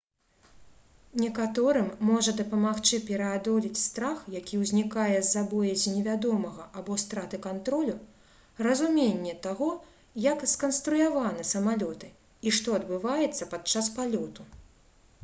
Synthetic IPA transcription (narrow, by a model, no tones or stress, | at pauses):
nʲɛkat̪ɔɾɨmːɔʐɐd̪ɐpɐmaxt͡ʂɨpʲɛɾɐad̪ɔlʲit͡sʲst̪ɾaxjakʲʰiwzʲnʲikajɛzːabɔjɐzʲinʲɛvʲad̪ɔmɐɣɐʔabɔst̪ɾat̪ɨkant̪ɾɔlʲu | rɐzumʲenʲːɛt̪aɣɔ | jɐkskɐnst̪ɾujavanɨsɐmalʲɔt̪ɨ | iʂt̪ɔɐd̪bɨvajɛt̪sːɐpat̪t͡ʂaspalʲɔt̪u